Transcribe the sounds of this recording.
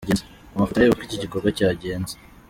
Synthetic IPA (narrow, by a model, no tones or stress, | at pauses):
ɟeːnze | amafitajeβakiciɟiko̞ɾɡacaːɟe̞ːnze̥